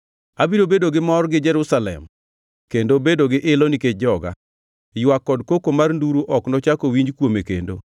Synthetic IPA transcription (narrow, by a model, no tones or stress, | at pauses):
abiɾobedoɡɪmɔrɡɪd͡ʒɛɾʊsalɛ̰m | kendobedoɡɪʔɪlɔniked͡ʒɔɡa̰ | jwakːɔdkokomarnduɾuʔɔknɔt͡ʃakowiɲd͡ʒkwomekḛndo̰